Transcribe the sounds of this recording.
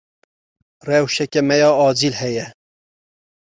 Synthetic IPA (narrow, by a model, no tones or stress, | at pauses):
rɛwʃɛkɛmɛjɑːɑːd͡ʒilhɛjɛ